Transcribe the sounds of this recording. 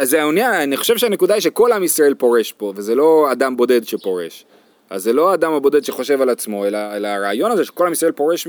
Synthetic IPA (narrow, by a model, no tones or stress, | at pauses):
zeaunjananiχo̞ʃe̞vʃeane̞kud̪aiʃe̞kolamisʁaelpo̞ʁe̞ʃpo̞ve̞zelo̞ad̪ambo̞d̪e̞d̪ʃepo̞ʁe̞̰ʃ | a̰zːelo̞aːd̪amhabo̞d̪e̞d̪ʃeχo̞ʃe̞valat͡smo̞e̞laelaːʁeːjo̞naze̞ʃe̥ko̞lhamisʁaelpo̞ʁe̞ʃ